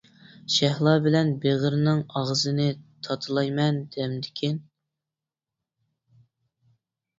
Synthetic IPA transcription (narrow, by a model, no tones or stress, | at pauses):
ʃæhlˠɑːbɪlɛnbeʁəɾnɪŋɑʁzɨnɪt̪ʰɑt̪ʰɨlˠɑjmɛnd̪ɛmd̪ɪkʲʰin